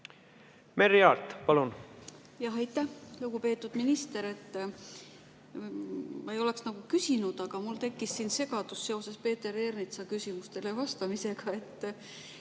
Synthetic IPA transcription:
meɾiɑːlt̪pɑlun | jɑɦejt̪ːˑæhluɡ̥upe̞ːt̪ˑːud̪̥minist̪e̞ɾe̞t̪ː | mɑejo̞le̞ksnɑɡ̥ukysinud̪̥ɑɡ̥ɑmult̪e̞kːisːiːnse̞ɡ̥ɑd̪̥usːe̞o̞se̞spe̞ːt̪ːe̞ɾe̞rnit̪sɑkysimust̪e̞le̞vɑst̪ɑmise̞ɡ̥ɑe̞t̪ː

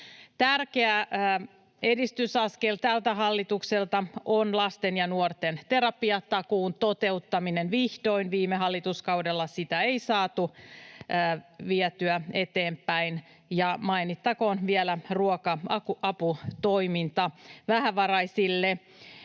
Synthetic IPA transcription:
t̪ærkeæ | edist̪ysɑskelt̪ælt̪æɦɑlːit̪ukselt̪ɑonlɑst̪enjɑnuort̪ent̪eɾɑpiɑt̪ɑkuːnt̪ot̪e̞ut̪ːɑminenʋiht̪o̞inʋiːmeɦɑlːit̪uskɑudelːɑsit̪æeisɑːt̪uː | ʋiɛt̪yæet̪eːmpæin | jɑmɑinit̪ːɑkoːnʋiɛlæruokɑɑkuʔɑput̪oimint̪ɑʋæhæʋɑrɑisilːe

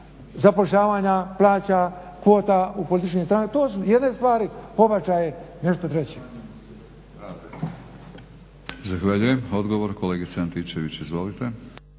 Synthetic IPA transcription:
zapoʃʎaːʋaːɲaplˠaːt͡ɕa | kʋoːt̪aupolit̪it͡ʃkest̪ɾaːŋkt̪oːsujed̪ne̞st̪ʋaːɾipo̞bat͡ɕajene̞ʃt̪ot̪ɾet͡ɕi | zaxʋaʎujemod̪ɡoʋoɾkoleːɡisant̪it͡ɕeʋit͡ɕizʋo̞lit̪e

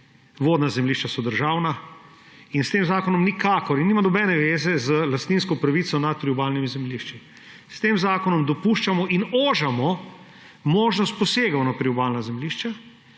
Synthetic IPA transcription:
ʋoːd̪nazɛmliʃt͡ʃasɔd̪əɾʒaːwna | inst̪eːmzaːkɔnɔmnikaːkɔɾinːiːmanɔbɛnɛʋeːzɛzəlast̪niːnskɔpɾaʋit̪sɔnat̪̚pɾiubaːlnimizɛmliʃt͡ʃi | st̪eːmzaːkɔnɔmd̪ɔpuːʃt͡ʃamɔʔinoːʒamɔ | moːʒnɔst̪̚pɔseːɡanɔtp̪ɾiubaːlnazɛmliʃt͡ʃa

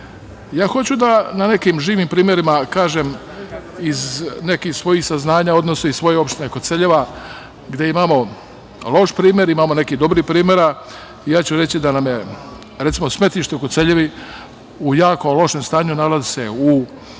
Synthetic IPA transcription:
jaːxo̞t͡ɕud̪anane̞kiːmʒiːʋimpɾiːmʲjeɾimakaːʒem | izne̞kixsʋo̞jiːxsaznaːɲao̞d̪nosoisʋo̞jeo̞pʃt̪inekot̪seʎeʋa | ɡd̪jeimamo̞ | lo̞ʃpɾiːmʲjeɾimaːmo̞ne̞kid̪o̞bɾihpɾiːmʲjeɾa | ijaːt͡ɕuɾe̞t͡ɕid̪anamje | ɾet̪simosme̞t̪iʃt̪ekot̪se̞ʎeʋi | ujaːko̞lˠo̞ʃemst̪aːɲunalazise̞u

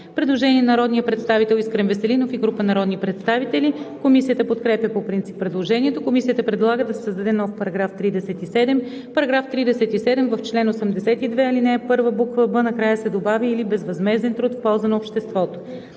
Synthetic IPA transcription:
pɾɛd̪lˠoʒɛniɛnɐɾɔd̪nijəpɾɛt̪st̪avit̪ɛlˠiskɾɛmvɛsɛlinofiɡɾupənɐɾɔd̪nipɾɛt̪st̪avit̪ɛlikomisijət̪əpot̪kɾɛpʲjəpopɾint̪ipːɾɛd̪lˠoʒɛniɛt̪okomisijət̪əpɾɛd̪lˠaɡəd̪ɐsɛ̥səzd̪ɐd̪ɛnɔfpɐɾɐɡɾaft̪ɾid̪ɛsɛt̪isɛd̪ɛm | pɐɾɐɡɾaft̪ɾid̪ɛsɛt̪isɛd̪ɛmvəft͡ʃlɛnosɛmd̪ɛsɛt̪id̪vɛɐlinɛɛpɤɾvəbukvəbənɐkɾajəsɛd̪obavʲiːlibɛzvɐzmɛzɛnt̪ɾut̪fpɔlˠzənɐopʃt̪ɛst̪vɔt̪o̥

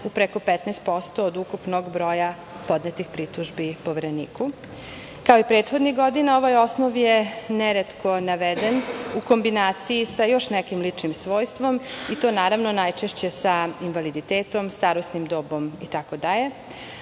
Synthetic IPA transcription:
upɾeko̞pet̪nɛst̪̚po̞st̪oːd̪ukupnoɡbɾo̞ja | po̞d̪net̪ixpɾit̪uʒbipo̞ʋeɾenḭːku | kaoipɾeːt̪xo̞d̪niɣɡo̞d̪inao̞ʋajo̞snoʋjeneɾet̪kʰo̞naʋed̪enuko̞mbinaːt̪sijisajo̞ʃnɛkimlit͡ʂnimsʋo̞ːjst̪ʋo̞mit̪o̞ːnaːɾaʋnonajt͡ʃeʃt͡ɕe̞sainʋalid̪it̪eːt̪o̞mst̪aɾosnimd̪oːbo̞mit̪akod̪aʎe̞

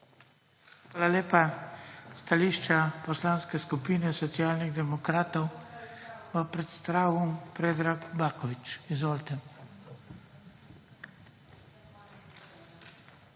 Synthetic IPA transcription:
xʋaːlaleːpa | st̪aliːʃt͡ʃapɔslaːnskɛskupiːnɛsɔt̪sjaːlniɣd̪ɛmɔkɾaːt̪ɔw | bapɾɛt̪st̪ɾaːwumpɾeːd̪ɾakbaːkɔʋit͡ʃizoːlt̪ɛ

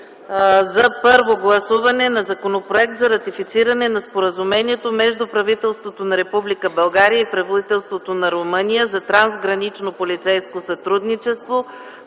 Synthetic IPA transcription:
zɐpɤɾvoɡlˠɐsuvɐnɛnɐzɐkonopɾoɛkt̪zɐɾɐt̪ifit̪siɾɐnɛnɐspoɾəzumɛniɛt̪omɛʒd̪upɾɐvit̪ɛlˠst̪vot̪onɐɾɛpublikəbɐlˠɡaɾijəipɾɛvod̪it̪ɛlˠst̪vot̪onɐɾomənijəzɐt̪ɾanzɡɾɐnit͡ʃnopolit̪sɛjskosɐt̪ɾud̪nit͡ʃɛst̪vo

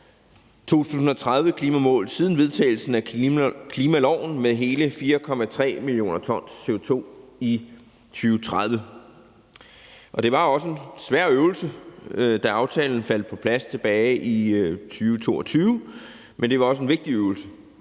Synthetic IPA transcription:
t͡sʰo̝̰ːt͡sʰṵːs̬n̩ɒ̽t͡sʰʁað̞ˠʋəkʰliːmæmɔ̰ːlð̩ˠsið̞ˠn̩ʋe̝ð̞ˠt͡sʰɛ̰ːɪl̩sn̩ækʰliːmælɒʊ̰n̩meðˠɦe̝ːləfiːɐkʰɒ̽mæt͡sʰʁɛ̰ːmilijo̝̰ːnɐt͡sʰɒ̽n̰se̝ot͡sʰo̝̰ːi | t͡sʰyːʊt͡sʰʁaðˠʋə | ʔɒ̽ɾ̥e̝ʋɑ̈ɒ̽səe̝nsʋæɐ̰øʊlsəd̥æɑ̈ʊt͡sʰɛ̰ːln̩fæl̰d̥̚pʰɒ̽pʰlæst͡sʰe̝b̥ɛːɪʔit͡sʰyːʊət͡sʰo̝̰ːɒ̽t͡sʰyːʊ | mend̥e̝ʋɑ̈ɒ̽s̬əe̝nʋe̝ɡ̥̚d̥iøʊl̩sə

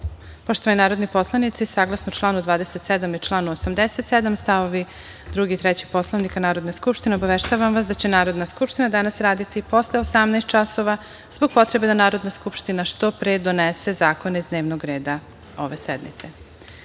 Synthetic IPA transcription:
poʃt̪oʋaninaːɾo̞d̪nipo̞slˠanit̪sisaɡlˠasnot͡ʃlˠaːnud̪ʋaːd̪e̞set̪sed̪amit͡ʃlˠaːnuosamd̪eset̪sɛd̪amst̪aʋo̞ʋi | d̪ɾuɡit̪ɾɛt͡ɕi̥po̞slˠaʋnikanaːɾo̞d̪neskupʃt̪ine̞o̞baʋeʃt̪aʋamʋas̬d̪at͡ɕe̞naːɾo̞d̪naskupʃt̪inad̪anasɾaːd̪it̪ipo̞sleosamnajst̪̚t͡ʃaso̞ʋa | z̥bo̞ɡ̚po̞t̪ɾe̞be̞d̪anaːɾo̞d̪naskupʃt̪inaʃt̪o̞pɾeːd̪o̞nese̞zaːko̞neizd̪neʋnoɡɾeːd̪a | o̞̰ʋesɛd̪nḭt̪se

